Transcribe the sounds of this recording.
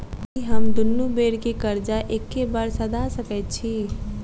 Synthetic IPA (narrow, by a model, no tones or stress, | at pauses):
kiɦəmd̪ʊnːubeːɽkekəɾd͡ʒaʔeːkːebəɾsəd̪ʱasəkɛt̪̚t͡ʃʰi